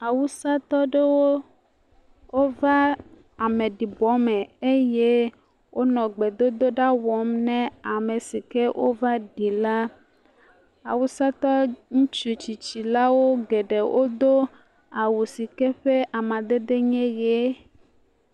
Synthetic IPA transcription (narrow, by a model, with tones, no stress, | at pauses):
a˨wu˦sa˦t̪ɔ˦ɖe˦wo˦ | wo˦va˦ | a˨mẽ˨ɖi˨bɔ˨˦mɛ̃˨e˦je˦ | wʔo˦nɔ̃˨ɡ͡be˨d̪o˦d̪o˦ɖa˦wɔ˨˦mnɛ̃˦a˨me˨si˨ke˦wʔo̰˦va˦ɖi˨la˦ | a̰˨wu˦sa˦t̪ɔ˦ŋũ˦t͡ʃu˦t͡ɕi˨t͡ɕi˨la˦wo˦ɡe˨ɖe˨wʔo˦d̪o˦ | a˨wu˨si˨kɛ˦ɸe˦ʔa˨mã˨d̪e˦ɖe˦ɲɛ̃˦je˦